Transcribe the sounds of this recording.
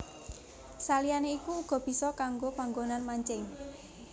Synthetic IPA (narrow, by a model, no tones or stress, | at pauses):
salijaneikuːɡ̥ɔ̤b̥i̤sɔkaŋɡopaŋɡonanmaɲt͡ʃɪŋ